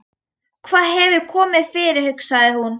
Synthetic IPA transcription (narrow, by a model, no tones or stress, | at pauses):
kʰvaːðɦɛvʏɾ̥kʰɔːmɪð̥fɪɾɪɾ̥hʏksaɣðɪhun